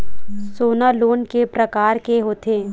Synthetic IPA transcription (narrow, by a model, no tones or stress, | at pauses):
soːnaloːnkepɾɐkaːɾkeɦoːt̪eː